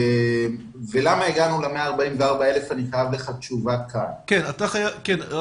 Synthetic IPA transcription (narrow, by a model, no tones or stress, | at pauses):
m | velamaeɡanuleme̞aːʁbaimveaʁbaele̞fanikaavleχat͡ʃuvakʰankenat̪aχajaken